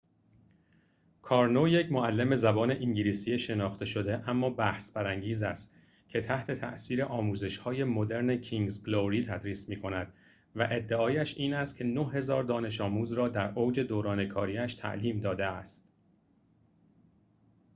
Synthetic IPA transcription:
kʰɒːɾnoje̞cʰmoælːeme̞zæbɒːne̞ʔiɲɟiliːsiːeʃe̞nɒːxt̪ʰe̞ʃo̞d̪e̞ʔæmːɒːbæhsbæɾæŋɟiːzæst̪ | cʰe̞t̪ʰæht̪ʰe̞t̪ʰæ̰ʔsiːɾe̞ʔɒːmuːze̞ʃhɒːje̞mod̪e̞ɾnecʰiŋɡzɡloɾiːt̪ʰæd̪ɾiːsmiːkʰo̞næd̪̥ | væʔe̞d̪ːe̞ɒːjæʃiːnæst̪̚cʰe̞noɦe̞zɒːɾd̪ɒːne̞ʃɒːmuːzɾɒːd̪æɾʔoːd͡ʒe̞d̪oːɾɒːne̞kʰɒːɾiːæʃt̪ʰæ̰ʔliːmd̪ɒːd̪e̞æst̪

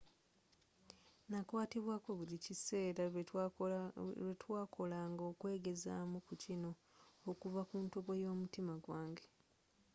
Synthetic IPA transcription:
nakwaːtiβwaːko̞βulicise̞ːɾa | etwaːkʰo̞laːŋɡo̞ːkwe̞ːɡe̞za̰ːmukucino̞ː | kuvakuːntoβo̞jo̞ːmutimaɡwaːŋɡe̥

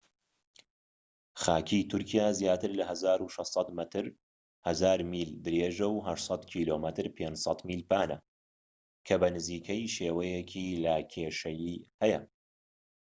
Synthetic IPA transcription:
xaːkʰit̪ʰʊɾkʰijaːzjaːt̪ɨɾlɐhɐzaːɾuʃɛst̪sˤɑt̪mɐt̪ʰɨɾ | hɐzaːɾmiːld̪ɾeːʒɐwɦɐʃtsˤɑt̪kʰiːloːmɐt̪ʰɨɾpʰeːnd͡ʒsˤɑt̪miːlpaːnɐ | kʰɐbɐnɨziːkʰɐjʃeːwɐjɛkʰiːlɐkʰeːʃɐjiːhɛjɐ

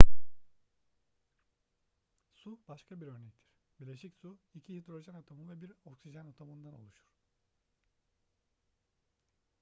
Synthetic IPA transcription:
subaʃkʰabiɾø̞ɾnɛc̚t̪ʰiɾ̥biɾlʲeʃicsuicʰihid̪ɾo̞ʒanot̪ʰomɯnvɛbiɾo̞ksiʒanot̪ʰomɯnd̪anolˠuʃu̥ɾ̥

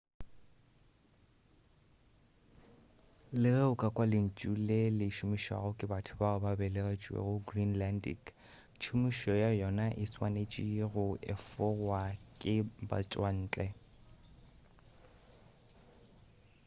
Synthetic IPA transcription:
lɪreʊkʼakʼwalɪn̩t͡ʃʼulelɪʃʊmiʃa̰ɣʊkʼɪbatʰʊbaɣʊbabɛleɣet͡ʃʼwḛɣʊɡrinlandḭk | t͡ʃʰʊmiʃɔjajɔnaʔɪswanet͡ʃʼiɣʊʔɛ̰fɔwakʼɪba̰t͡sʼwan̩ːt͡ɬʼɛ

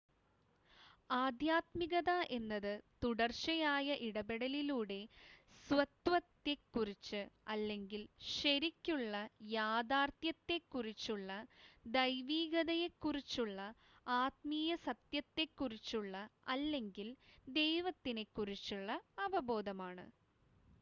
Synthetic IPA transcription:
aːd̪jaːt̪miɣɐðɐʔe̞nːɐðɨt̪uɽɐrɕɐjaːjɐʔiɽɐbeɽɐliluːɽe̞sʋɐt̪ʋɐt̪ːe̞kːurit͡ɕːɨɐlːe̞ŋɡilɕɐɾikʲːuɭːɐjaːd̪aːrt̪jɐt̪ːe̞kːurit͡ɕːuɭːɐd̪ɐjʋiːɡɐðɐjekːurit͡ɕːuɭːɐ | aːt̪̚miːjɐsɐt̪jɐt̪ːe̞kːurit͡ɕːuɭːɐɐlːe̞ŋɡild̪e̞jʋɐt̪ːine̞kːurit͡ɕːuɭːɐɐʋɐbo̞ːd̪ɐmaːɳɨ̰

